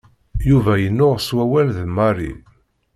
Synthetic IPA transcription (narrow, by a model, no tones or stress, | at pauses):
juvæjənːʊʁswæwælðəmɑɾḭ